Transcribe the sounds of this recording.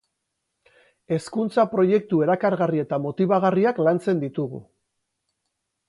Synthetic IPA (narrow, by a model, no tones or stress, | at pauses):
e̞skunt͡sapɾo̞je̞k̚t̪ue̞ɾakaɾɣarie̞t̪amo̞t̪iβaɣ̞ariaklant͡se̞nd̪it̪uɣ̞ṵ